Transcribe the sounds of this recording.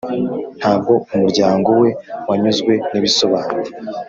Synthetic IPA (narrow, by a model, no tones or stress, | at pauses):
n̥haːb̚ɡo̞umuɾɟaːŋɡo̞we̞waɲuzɡwe̞niβiso̞βaːne